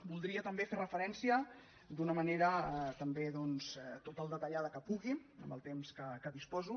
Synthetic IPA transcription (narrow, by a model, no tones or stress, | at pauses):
bulˠd̪ɾiət̪əmbeferəfəɾɛnsiə | d̪unəməneɾət̪əmbeðɔnzt̪ot̪əlˠd̪ət̪əʎaðəkəpuɣiə̰mbə̰lˠt̪emskəkəðispɔzu